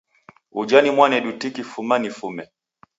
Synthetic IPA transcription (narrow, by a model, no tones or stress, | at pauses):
ud͡ʒanimwanɛɗutikifumanifumɛ